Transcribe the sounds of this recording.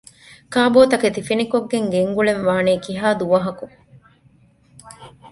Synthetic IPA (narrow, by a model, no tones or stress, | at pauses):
kaːboːt̪ɐket̪ifinikoɡːeŋɡeŋɡuɭenʋaːneːkiɦaːd̪uʋɐɦɐku